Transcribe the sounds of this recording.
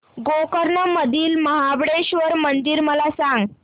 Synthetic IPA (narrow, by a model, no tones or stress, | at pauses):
ɡokəɾnəməd̪ʱiːlməɦabɽeɕʋəɾmənd̪iːɾməlasãŋɡ